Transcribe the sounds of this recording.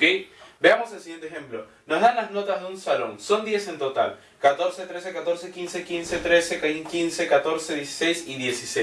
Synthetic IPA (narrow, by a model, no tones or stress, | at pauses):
okejbeamo̞selsiɣent̪exe̞mplo̞ | no̞zðanlazno̞t̪azðeunsalo̞̰ŋso̞nd̪je̞se̞nt̪o̞t̪a̰l | kat̪o̞ɾset̪ɾe̞s̬ekat̪o̞ɾsekinse̞kinse̞t̪ɾe̞sekkinse̞kat̪o̞ɾseðjesi̥sejsiðje̞sise